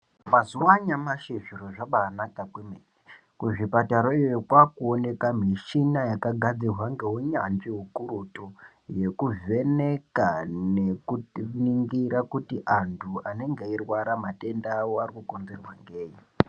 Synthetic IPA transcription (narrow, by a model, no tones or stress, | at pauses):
mazuwaɲamaʃeʐiɾo̞ʐaɓaːnakakwemeni | kuʐipataɾoijookwakuone̞kam̤iʃinajakaɡʱad͡zirwaŋɡe̞ɦoɲanʐiɦukuɾuto | je̞kuve̞nekanekuniŋɡiɾakutiʔantʰuane̞ŋɡeirwaɾamate̞ndaːwoarikuko̞nze̞rwa̰ŋɡeːɲi